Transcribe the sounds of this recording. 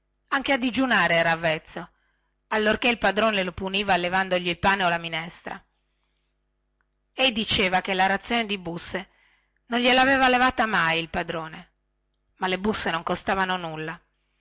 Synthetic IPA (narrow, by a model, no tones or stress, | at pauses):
aŋkead̪id͡ʒunaːɾeɛːɾavːɛt̪sːo | alːorkeilpad̪ɾoːnelopuniːvalevand̪oʎilpaːneolaminɛst̪ɾa̰ | ɛjd̪it͡ʃeːvak̟elaɾat̪sːjoːned̪ibusːe | nonʎelaveːvalevaːt̪amajilpad̪ɾoːne | malːebusːenoŋkost̪aːvanonulːa